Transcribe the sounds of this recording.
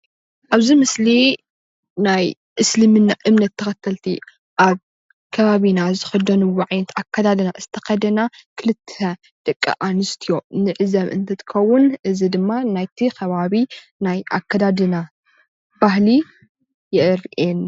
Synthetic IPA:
ʔaβzimɨsli | naj | ʔɨslɨmɨnaʔɨmnɐt̪ʰːɐxɐt̪ʰːɐlt̪ʰi | ʔaβ | kʰɐβaβinazɨxɐd̪ɐnɨwɔʕajnɐt̪ʰakʰːɐd̪ad̪ɨnaʔɨst̪ʰɐxɐd̪ɐnakʰɨlɨt̪ʰːɐ | d̪̥ɐkʼːɐ̰ʔanɨst̪ʰijo̞nɨʕɨzɐβɨ̰nt̪ʰɐt̪ʰɨ̥kʰɐwːunʔɨzid̪ɨmːanajt̪ʰikʰɐβaβi | najʔa̰kʰːɐd̪ad̪ɨna | b̥aɦli | jɛʔɨɾʔen

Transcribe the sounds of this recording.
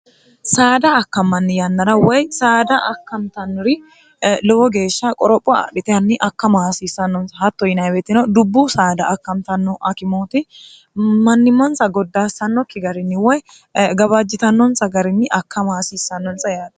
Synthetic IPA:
saːd̪ɐːkːɐmːɐnːɪjɐnːɐɾɐwɔjsaːd̪ɐʔɐkːɐmt̪ɐnːɔɾɪ | lɔwɔɡe̞ːʃːɐkʼɔɾɔpʼːʊ̰ɗɪt̪ʼɛɐnːɪʔɐkːɐmɐhsiːsːɐnːɔnsɐhɐt̪ːɔjɪnɐjbɛt̪ːɪnɐwd̪ʊbːusaːd̪ɐʔːkːɐmt̪ɐnːɔʔɐkɪmoːt̪ɪ | mɐnːɪmːɔnsɐɡɔd̪ːasɐnːɔkːɪɡɐɾɪnːɪwɔj | ɡɐβad͡ʒːɪt̪ɐnːɔnsɐɡɐɾɪnːɪʔɐkːɐmɐasiːsːɐnːɔnsʼɐjaːd̪ɐ

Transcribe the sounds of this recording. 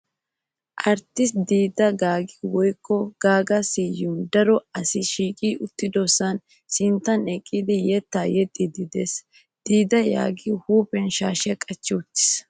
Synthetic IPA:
ʔɐɾt̪ːɪsd̪iːd̪ɐɡaːɡiwɔjkːɔɡ̥aːɡɐsiːjʊd̪ɐɾɔɐsɪʃiːkʼiːʊt̪ːɪd̪osɐn | sɪnt̪ːɐnɛkʼːid̪ɪjɛt̪ːaːjɛt̪ʼːid̪ɪd̪eːs | d̪̥iːd̪ɐja̰ːɡihuːpɛnʃaːʃɛkʼɐt͡ʃːɪʊt̪ːɪ̥s

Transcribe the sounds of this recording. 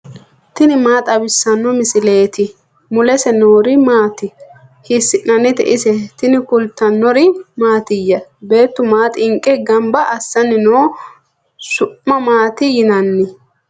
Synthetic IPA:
t̪ɪnɪmaːt̪ʼɐbɪsːɐnːɔmɪsɪle̞ːt̪ɪ | mʊlɛsɛnoːɾɪmaːt̪ɪ | hɪsːɪʔnɐnɪt̪ɛ̰ʔɪsɛt̪ɪnɪkʊlt̪ːɐnːɔɾɪmaːt̪ɪjːɐbe̞ːt̪ːʊmaːt̪ʼɪŋkʼɛɡɐmbɐʔːsːɐnɪnoː | sʊʔːɐmaːt̪ɪjɪnɐnːɪ

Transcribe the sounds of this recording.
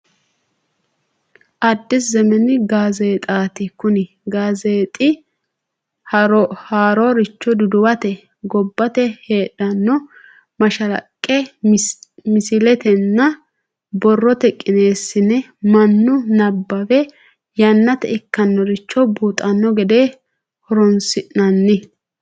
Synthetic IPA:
ʔɐd̪ːɪszɛmɛnɪɡaːze̞ːt̪ʼaːt̪ɪkʊnɪ | ɡaːzeːt̪ʼɪ | hɐɾɔhaːɾoɾɪt͡ʃːɔd̪ʊd̪ʊwɐt̪ɛ | ɡɔbːɐt̪ɛhe̞ːᶑɐnːɔ | mɐʃɐlɐ̰kʼːɛ | mɪsɪlɛt̪ɛnːɐ | bɔrːɔt̪ɛkʼːɪne̞ːsːɪnɛ | mɐnːʊnɐbːɐwɛ | jɐnːɐt̪ɛ̰ɪkːɐnːɔɾɪt͡ʃːɔbuːt̪ʼɐnːɔɡɛd̪eː | hɔɾɔnsɪʔnɐnːɪ

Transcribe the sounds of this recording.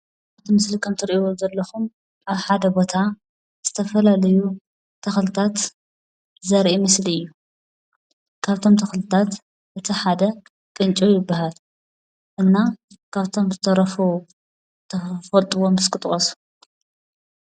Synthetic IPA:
aβt̪ʰimɨslikʰɐmt̪ʰɨɾiʔozɐlːɐxum | ʔaβħad̪ɐbo̞t̪ʰa | z̥ɨt̪ʰɐfɐlalɐju | t̪ʰɐxlɨt̪ʰat̪ | zɐɾʔimɨsliɨjːu | kʰaβt̪ʰo̞mt̪ʰɐxlɨt̪ʰat̪ | ʔɨt̪ʰiħad̪ɐ | kʼɨnt͡ʃʼojɪbːaɦal | ʔɨnːa | kʰaβt̪ʰo̞mzɨt̪ʰɐɾɐfu | t̪ʰɐfɐlt̪ʼɨwomɨskʰɨt̪ʼχʼɐsu̥

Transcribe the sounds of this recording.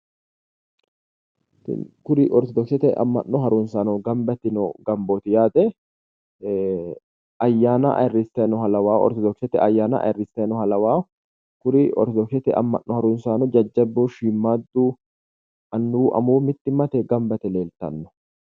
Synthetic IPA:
tkʊɾɪʔɔɾt̪ɔd̪ɔksɛt̪ɛʔɐ̰mːɐ̰nːɔɦɐɾuːnsaːnɔɡɐmbɐt̪ɪnɔɡ̥ɐmboːt̪ɪjaːd̪ɛ | ʔɐjːaːnɐʔɐ̰rːɪst̪ɛnɔɦɐlɐwaːɔ̰ɾt̪ɔd̪ɔksɛt̪ɛ̰ʔɐjːaːnɐ̰ʔɐ̰ɛrːɪst̪enɔhɐlɐwaː | kʊɾɪɔɾt̪ɔd̪ɔksɛt̪ɛʔɐ̰mːɐ̰nːɔhɐɾuːnsaːnɔd͡ʒɐd͡ʒːɐbuʃiːmːaːd̪ːuː | ʔɐnːuːʔɐ̰muːmɪt̪ːɪmɐt̪ɛɡɐmbɐt̪ɛle̞ːlt̪ɐ̰nːɔ̥

